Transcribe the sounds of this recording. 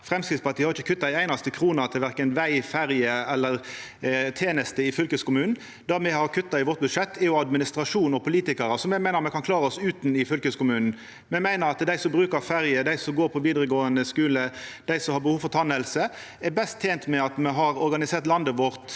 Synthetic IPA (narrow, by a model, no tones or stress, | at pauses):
fɾɛmskɾɪt̪spʰɑt̪iːhɑɾɪçəkʰʉt̪ːɑɪæɪnɑst̪əkʰɾuːnɑt̪ʰɪlʋæʁkənʋæɪfæɾjəɛlːəʁ | t̪ʰeːnəst̪əɪfʏlkəskʊmʉːnn̩ | d̪æmɛhɑʁkʰʉt̪ːɑɪʋɔt̪̚bʉdʂɛt̪ʰːæjʊɑd̪mɪnɪst̪ɾɑʂuːnɔpʰʊliːt̪ɪkəɾəsɔmɛmæɪəɑmɛkʰɑnkʰlɑːɾəɔsʉːt̪n̩ɪfʏlkəskʊmʉːnn̩ | mɛmæɪnəɾɑt̪d̪æɪsɔmbɾʉːkəɾfæɾjəd̪æɪsɔmɡoːɾpʰɔʋiːd̪ɾəɡoːənd̪əskʉːləd̪̥æɪsɔmhɑɾbəhuːʋfɔʁt̪ʰɑnːɛlsə | ɛbɛst̪ʰːeːnt̪mɛɑt̪mɛɦɑɾɔɾɡɑnɪseːɾt̪lɑnd̪əʋɔɾt̪